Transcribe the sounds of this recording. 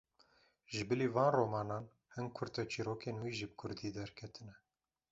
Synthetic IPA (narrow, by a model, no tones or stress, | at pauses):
ʒɨbɨliːvɑːnroːmɑːnɑːn | hɨnkʰʊɾt̪ɛt͡ʃʰiːɾoːkeːnwiːʒib̚kʰʊɾd̪iːd̪ɛɾkʰɛt̪ʰɨnɛ